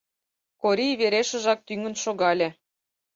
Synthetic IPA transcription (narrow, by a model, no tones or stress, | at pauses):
koɾʲijβeɾeʃə̆ʒɑk̚t̪yŋə̆nʃoɣɑlʲĕ